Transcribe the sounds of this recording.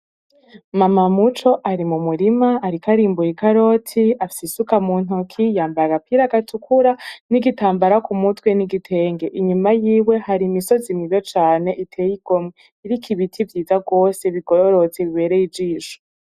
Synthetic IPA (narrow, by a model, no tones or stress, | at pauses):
mamamut͡ʃo̞ʔaɾimumuɾimaːɾikaɾiːmbujikaɾo̞tʰiafsisukamuːn̥okʰijaːmbajaɡapʰiɾaɡatukʰuɾaniɡitaːmbaɾakumutweniɡitʰe̞ːŋɡe̞ʔiɲumajiːwe̞haɾimiso̞zimiβet͡ʃaːne̞ʔitʰe̞ːjiɡ̥o̞mŋe | iɾikʰiβitʰivjiːzaɡo̞ːseβiɡ̥oɾoɾo̞t͡seβiβe̞ːɾejivd͡ʒiːʃo̥